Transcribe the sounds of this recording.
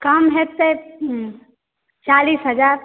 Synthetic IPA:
kəmɦet̪ːe | t͡ʃalisɦəd͡ʒaːɾ

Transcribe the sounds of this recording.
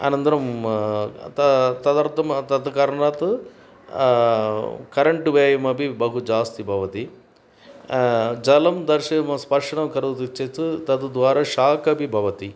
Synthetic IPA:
a̰ːnɐnt̪ɐɾɐm | t̪ɐt̪ɐd̪ɐɾt̪ɐmt̪ɐd̪kɐɾɳɐt̪ | kɐɾɐɳʈuʋeːjɐmɐbibɐɦud͡ʒaːst̪ibʱɐʋɐt̪i | d͡ʒɐlɐmd̪ɐɾʂɐjɐmɐspɐɾʂɐɳɐmkɐɾɐd̪ut̪it͡ʃːet͡sɨt̪ɐd̪ud̪ʋaːɾɐʃaːkɐbibʱɐʋɐt̪i

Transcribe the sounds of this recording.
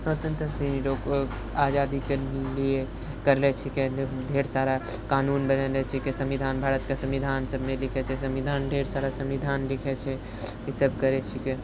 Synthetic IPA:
sʋət̪ə̃nt̪ɾəsĩnloːk | aːd͡ʒaːd̪ikelie | kəɾlɛt͡ʃʰɛkɛd̪ʱeɾsaːɾa | kaːnuːnbənɛɾɛt͡ʃʰikesəmʋid̪ʱaːnbʱaːɾət̪kasə̃mʋid̪ʱaːnsəbʱmẽlɪkʰɛt͡ʃʰɛsəmʋid̪ʱaːnd̪ʱeːɾsaːɾasəmʋid̪ʱaːnlikʰɛt͡ʃʰɛ | kisəbʱkəɾɛt͡ʃʰike

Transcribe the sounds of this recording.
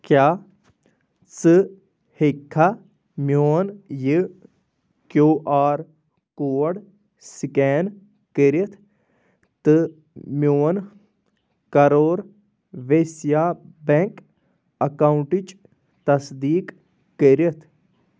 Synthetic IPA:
kjaː | t͡sɨ | hekʰːa | mjoːnjɨ | kjoːʔaːɾ | koːɽ | sikɛːn | kəɾɐt̪ʰ | t̪ɨ | mʲjoːn | kɐɾoːɾ | ʋesjaːbeŋk | ɐkawuɳʈit͡ʃ | t̪ɐsd̪iːkː | əɾɐt̪ʰ

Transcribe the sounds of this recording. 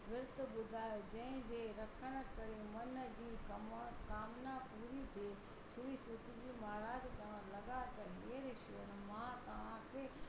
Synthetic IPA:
ʋɪɾt̪ɓʊd̪ʱaːjod͡ʑɐ̃ɦɪ̃d͡ʑeːɾɐkʰəɽ̃ə̆kɐɾemɐnəd͡ʑiːkkaːmnapuːɾit̪eː | sʊɾisʊt̪id͡ʑiːmaːɾaːd͡ʑt͡ɕɐʋəɾlɐɡat̪ɐ̃eːɾɪʃjonmãt̪ɐʋ̤ãkʰe

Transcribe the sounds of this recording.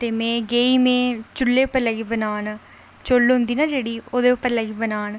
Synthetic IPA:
t̪eːmɛ̃ːɡeːiːmẽːt͡ʃʊlːeːʊpːəɾləɡiːbənaːn | t͡ʃolɦʊ̃nd̪iːnaːd͡ʒeːɽiːoːd̪eːʊpːəɾləɡiːbənaːn

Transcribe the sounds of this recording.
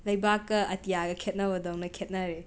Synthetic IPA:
lɐjbakːɐɐtijaɡɐkʰet̚nɐbɐdawnɐkʰet̚nɐɾe

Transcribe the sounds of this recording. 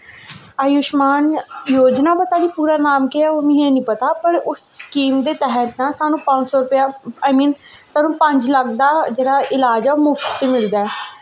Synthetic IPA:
əjʊʃmaːnjoːd͡ʒnaːpət̪aːniːpuːɾaːnaːmkɪaːoːmɪ̃ɦẽːnĩːpət̪aːpəɾʊsskiːmd̪eːt̪ɛɦət̪naːsaːnũːpə̃ɲd͡ʒsɔːɾʊpjaːaːjmĩːn | saːnũːpəɲd͡ʒləkd̪aːd͡ʒeːɽaːʔɪlaːd͡ʒɛːomuːfʈ̪t͡ʃemɪld̪aːɛː

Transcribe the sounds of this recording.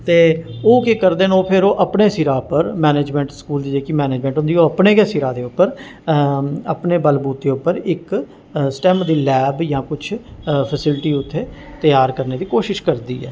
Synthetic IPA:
t̪eːoːkekəɾd̪eːnoːpʰɪɾoːʔəpneːsiːɾaːpəɾmɛːneːd͡ʒmɛ̃ːɳʈskuːld̪iːd͡ʒeːkiːmɛːneːd͡ʒmɛ̃ːɳʈɦʊ̃nd̪iːoːəpneːkɛːsiːɾaːd̪eːʊpːəɾ | ə̰pneːbəlbuːt̪̚d̪eːʊpːəɾɪk | sʈɛːmd̪iːlɛːbjãːkʊt͡ʃʰpʰəsɪlʈiːʊt̪ʰːeː | t̪əjaːɾkəɾneːd̪iːkoːʃɪʃkəɾd̪iːɛ̰ː

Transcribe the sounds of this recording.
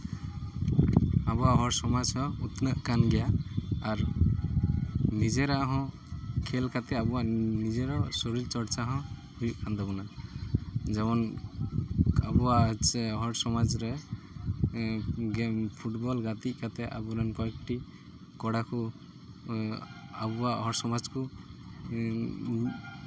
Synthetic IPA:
abɔwaɦɔɾsɔmad͡ʒɦɔ̃ut̪nəʔkanɡɛjaaɾ | nid͡ʒɛɾaʔɦɔ̃ | kʰɛlkat̪ɛabuwaʔnid͡ʒɛɾɔsɔɾilt͡ʃɔɾt͡ʃaɦɔ̃ | hujuʔkʰand̪ɔbɔna | d͡ʒɛmɔn | a̰buwasɛɔɦɔʈsɔmad͡ʒɾɛ | ɡɛmpʰuʈbɔlɡat̪ic̚kat̪ɛʔa̰buɾankɔɛkʈi | kɔɽaku | abuwaʔɔɦɔɽsɔmad͡ʒku

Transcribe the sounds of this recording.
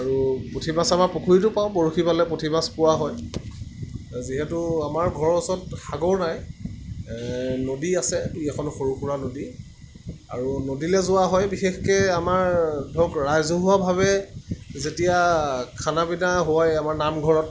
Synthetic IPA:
aɹupotʰibasamaɹpokʰuɹitʊpaʊ̃boɹuxipalɛpotʰimaspʊwaɦɔj | ziɦɛtʊamaɹɡʱɔɹɔsɔtxaɡɔɹnaj | nodiasɛtuiɛkʰɔnxoɹuxuɹanodi | a̰ɹunodilɛzʊwaɦɔjbixexkɛamaɹdʱɔkɹajzɔɦʊwabʱaβɛzetijakʰanabinaɦʊajamaɹnamɡʱɔɹɔt̚

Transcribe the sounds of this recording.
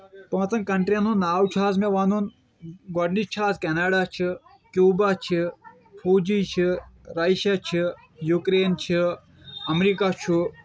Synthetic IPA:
pɐ̃ːt͡sɐnkɐɳʈɾijɐnunaːwt͡ʃʰaːzmeʋanun | ɡɔɖnit͡ʃʰaːzkʲɛnaːɖat͡ʃʰi | kʲjuːbat͡ʃʰi | fʰuːd͡ʒit͡ʃʰiɾɐʃat͡ʃʰi | jukɾeːnt͡ʃʰi | ɐmɾikat͡ʃʰu

